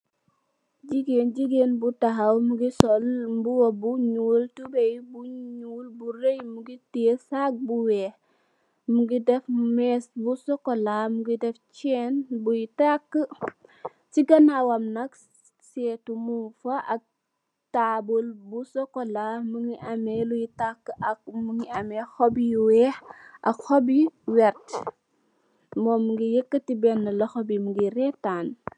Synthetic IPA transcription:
d͡ʒiɡend͡ʒiɡenbutaɦawmuɡisɔlbuwobuɲultubejbuɲulbuɾejmuɡitisak̚buweː | muɡidefmɛsbusɔkolamuɡideft͡ʃɛːnbujitakː | siɡɐnawɐmnɐk | sɛːtumufɐʔɐk̚ | taːbulbusɔkɔlamuŋiʔɐmɛlujitakːɐk̚muŋiɐmɛxɔbijuwɛːhʔɐkxɔbiwɛɾt | mɔːmuŋɡijəkːətibɛnːəlɐxɔbimuŋɡiɾɛtaːn

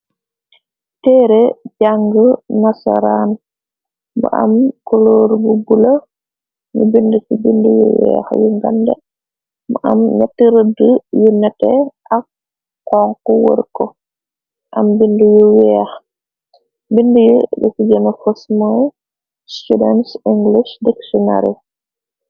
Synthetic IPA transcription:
tɛːɾɛd͡ʒaŋɡənasa̰ɾan | bɔ̰ʔa̰mkɔloɾbubula | ɲḭbindusibindujɛ̰wɛ̰xjiŋɡandɛ̰ | mʔa̰mnɛtːiɾədujunɛtːɛ | akː | ɔŋkɔwo̰ɾkɔ | ʔambindujuwɛx | bindujəbɛkid͡ʒɛmafosmɔj | studɛnsiŋɡlisdɛksɔna̰ɾḭ

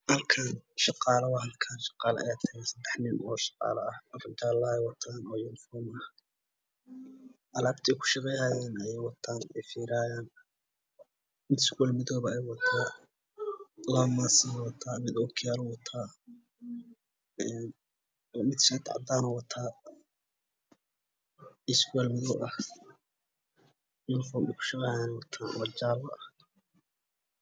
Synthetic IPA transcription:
hɐlkʰaːnʃɑqɑːlɐwɑɦɐlkʰaːnʃɑ̥qɑːlɐ̰ʔɐ̰jaːt̪ʰɐɣansɐd̪ɛħnɪnʔɔːʃɑ̥qɑ̰ːlɐɐhɐfrɪt̪ʰaːlɐɛjwɑt̪ʰaːnɔːjʊnɪfɔːmɐh | ʔɐlaːbt̪ʰɛjkʰʊ̥ʃɑqɛjhaːjɛːnɐjɛjwɑt̪ʰaːnɛjfiːɾaːjaːn | mɪt̪sɡulmɪðɔːβɐɛjwɑt̪ʰaː | lamaːsɐwɐt̪ʰːaːmɪd̪ɔkʰɪjaːɾɔwɐt̪ʰːaː | ɛːn | mɪd̪ʃɐt̪a̰ʕd̪aːnɔwɐt̪ʰaː | ɪskʊɛlmɪðɔːʔɐh | nɪnfɔːmɛkʰʊ̥ʃɑqɛjhajaːnwɐt̪ʰaːnɐt͡ʃaːlːɐ̰ʔɐ

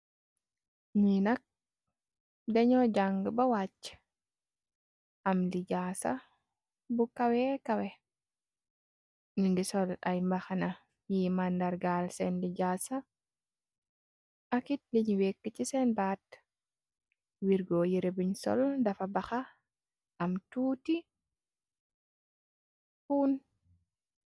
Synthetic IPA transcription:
ɲinɐk̚ | dɛɲɔɟaŋɡəbɐwat͡ʃː | ʔamliɟaːsa̰ | bukawɛkawɛ | ɲindisɔla̰jmbaxana | mjimandaɾɡalsɛndiɟaːsa | ʔakit̚liɲwekːət͡ʃisɛnbaːt | wiɾɡɔjiɾebiɲsɔ̰ldafabaxa | ʔamtuːti | fuːn

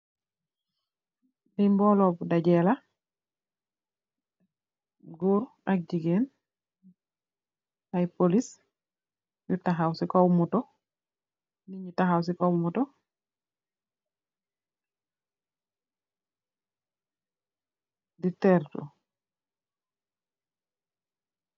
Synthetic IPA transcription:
dimbɔlɔbdaɟɛla | ɡuːɾ | ak̚ɟiɡen | ajpolis | jutaɦawsikowmutɔ | niɲitaxaws̬ikowmutɔ | ditɛɾtu

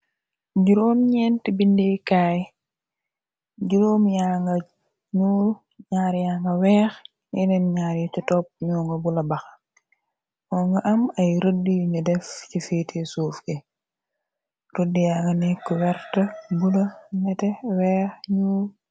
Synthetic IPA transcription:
ɟuɾoːmɲɛntibindikaːj | ɟuɾoːmjaŋɡɐ | ɲuːl | ɲaːɾjaːŋɡɐwɛːx | jinɛnɲaːɾtitɔp̚ɲɔːŋɡɐbulɐbɐx | ɔŋɡɐʔɐmɐjɾodiɲudɛfcifeːtʰesuːfke | ɾodːijaːŋɡɐnɛkːuwɛɾtɐbulɐnɛtɛwɛːxɲuː

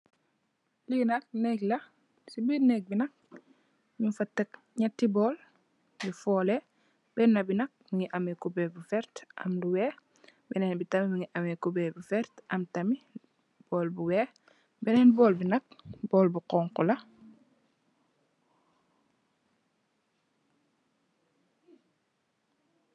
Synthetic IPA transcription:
linɐk̚nɛklɐ | sibɛnɛːk̚binɐk̚ | mifɐtːɐk̚ | ɲɐtːibɔːl | bifɔːlɛ | bɛnːɐbinɐk̚miŋiʔɐmɛkubɛbufɛɾtʔɐ̰mduwɛː | bɛnɛːnbitɐmimiŋiʔɐmɛkubɛbufɛɾtʔɐmtɐmi | b̥ɔːlbuwɛː | bɛnɛːnbɔːlbinɐk̚bɔːlbuqɔːŋkulɐ

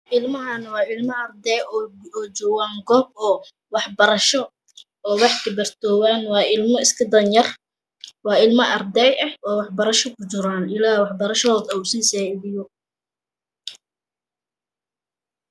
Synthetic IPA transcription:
ʔɪlmɐɦɐnwɑːɪlmɐɐrd̪ɛjɔːɔːd͡ʒɔːwaːŋɡɔːb̚ɔː | wɑħbɐɾɐʃɔ | ɔːwɑħt̪ɪbɐrt̪ʰɔːwaːnwɑːɪlmɔɪskʰɐd̪ɐnjɐr | wɑːɪlmɐʔɐrd̪ɛjɛhwɔːwɑħbɐɾɐʃɔkʰʊt͡ʃɪɾaːnɪlaːwɑħbɐɾɐʃɔːd̪ɐusiːsɛːbɪjɔ

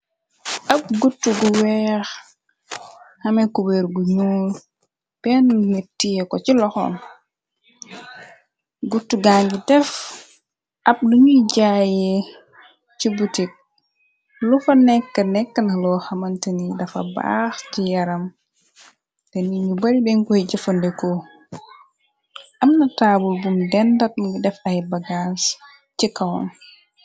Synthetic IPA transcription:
ʔɐp̚ɡutːuɡuwɛːx | hɐmɛkubɛɾɡuɲuːl | b̥ɛnmitːijɛkɔcilɔxɔ̰m | ɡutːuɡaŋɡidɛf | ʔɐp̚nuɲuɟajɛ | cibutik̚ | lufanɛkːanɛkːanalɔhamantanidafa̰ba̰xt͡ʃijaɾam | dɛniɲubaɾibɛŋkɔɛd͡ʒɛfɔndɛkɔ | ʔamnatabulbumdɛndat̚ɡidɛfajɛbaɡas | t͡ʃikːawɔ̰n

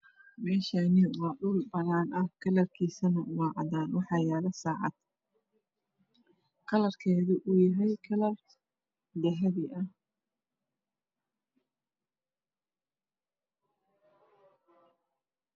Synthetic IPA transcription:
mɛːʃanɪwɑːɗʊlbɐnaːnɐhkʰɐlɐrkʰiːsɐnɐwɑːʕɑ̰daːnwɑħɑjaːlɐsaːʕɑ̰d̪ | kʰɐlɐrkʰɛːðʊʔʊjɐɦɛjkʰɐlɐr | d̪ɛɦɐðɪʔɐh

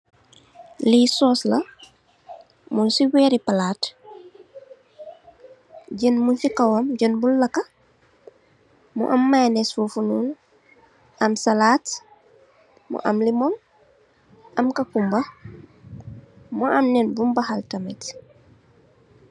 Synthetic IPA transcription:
lisɔːslɐ | munsiwɛːɾipalaːt | ɟənmunsikawomɟənbulːɐka | mṵʔɐmːajnɛsfufunuːn | ʔɐmsalaːt | mṵʔa̰mlimɔm | ʔɐmkɐkumbɐ | muʔamnɛnbumbahaltɐmɛ̰t

